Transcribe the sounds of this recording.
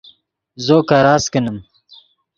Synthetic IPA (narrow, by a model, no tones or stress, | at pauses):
zoːkaɾaːskinəm